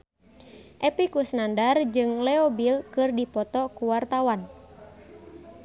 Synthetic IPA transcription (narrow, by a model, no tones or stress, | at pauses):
ʔɛpikusnandard͡ʒɨŋlɛobilkɨrdipɔt̪ɔkuwart̪awan